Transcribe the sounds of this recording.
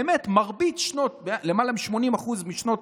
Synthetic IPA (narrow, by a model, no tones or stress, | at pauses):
emetmaʁbit͡sʃno̞tbelemalamiʃmo̞nimaχuzmiʃno̞t